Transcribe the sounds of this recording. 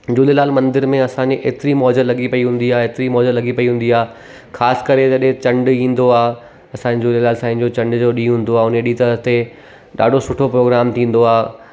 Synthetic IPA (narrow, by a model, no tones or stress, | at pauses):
d͡ʑuːlelaːlmɐ̃nd̪ɪɾmẽɐsãɲd͡ʑeʔeːt̪ɪɾimɔːd͡ʑəlɐɠipɐiɦũːn̆d̪iaːeːt̪ɪɾimɔːd͡ʑəlɐɡipɐiɦũːn̆d̪iaː | xaːsɪ̥kɐɾed͡ʑɐɗɦẽt͡ɕɐ̃ɳɖĩːn̆d̪oaː | ɐsãd͡ʑd͡ʑuːlelaːlsãːĩd͡ʑoːt͡ɕɐ̃ɳɖd͡ʑoːɗiːɦũːn̆d̪oaːʊneɗiːt̪ɐət̪e | ɗa̰ːɖʱosʊʈʰopɾoːɡɾaːmt̪ʰĩːn̆d̪oaː